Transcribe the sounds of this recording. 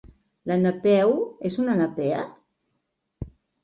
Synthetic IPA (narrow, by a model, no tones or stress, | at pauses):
lanapɛwezunanapɛə